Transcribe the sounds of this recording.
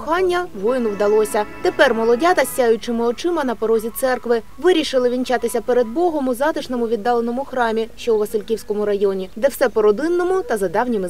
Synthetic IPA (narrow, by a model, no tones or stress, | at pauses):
xɑnʲːɐʋɔjɪnʊwd̪ɐlˠɔsʲɐt̪epɛrmɔlˠɔdʲat̪ɐsʲːajʊt͡ʃɪmɪɔt͡ʃɪmɐnɐpɔɾɔzʲit̪sɛrkʋɪ | ʋɪɾʲiʃɪlˠɪʋʲint͡ʃɑt̪ɪsʲɐpeɾed̪̚bɔɦɔmʊzɑt̪ɪʃnɔmʊʋʲid̪ːɑlˠenɔmʊxɾɑmʲiʃt͡ʃɔwʋɐsɪlʲkʲiwsʲkɔmʊɾɐjɔnʲid̪ɛwsɛpɔɾɔd̪ɪnːɔmʊt̪ɐzɐd̪ɑwnʲimɪ